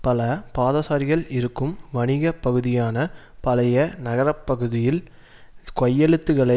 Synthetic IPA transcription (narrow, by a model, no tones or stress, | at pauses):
pɐlɐpaːðɐsaːɾɪɣɐɭɪɾɯkːɯmʋɐɳɪɣɐpːɐɣɯðɪjaːnɐ | pɐlɐjɐnɐɣɐɾɐpːɐɣɯðɪjɪl | kɔjːɛɭɯt̪ːɯɣɐɭɐ